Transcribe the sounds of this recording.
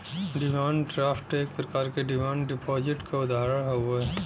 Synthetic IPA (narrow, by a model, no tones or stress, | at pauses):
ɖɪmãːnɖɾaːfʈeːk̚pɾɐkaːɾkeɖɪmãːnɖɪpɔːd͡ʒɪʈkaʊd̪ʱaːɾəɽɦoe